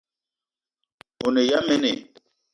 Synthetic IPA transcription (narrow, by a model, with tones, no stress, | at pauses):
o˨ne˨ja˦mɛ˦nḛ˨